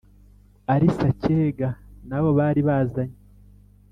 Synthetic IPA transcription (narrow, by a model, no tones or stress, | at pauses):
aɾisaceːɡanaβo̞βaːɾiβaːzaɲe